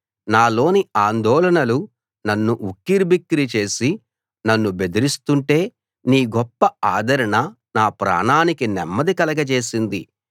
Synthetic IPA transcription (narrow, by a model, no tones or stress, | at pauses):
naːlo̞ːniaːnd̪ɔːlɐnɐlu | nɐnːuʔukːiɾbikːɾit͡ʃe̞ːsi | nɐnːube̞d̪iɾist̪uɳʈe̞ː | niːɡɔpːɐaːd̪ʱɐɾɐɳɐ | naːpɾa̰ːɳaːnikinɛmːɐd̪ikɐlɐɡɐt͡ʃe̞ːsind̪i